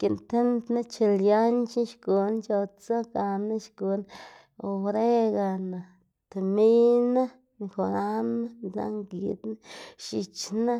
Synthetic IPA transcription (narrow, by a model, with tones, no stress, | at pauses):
ki˨nt̪e˦nd̪na˦t͡ʃe˧lja˦nt͡ʃi˦ʃɡu˨˧nt͡ʃo˧t͡so˦ɡa˨na˦ʃɡu˨n | o˧wɾe˦ɡa˧na˨ | t̪e˨mi˦na˦˧ | xo˨ɾa˦na˦la̰˦ŋɡi˨d̪na˦ʃi˧t͡ʃna˦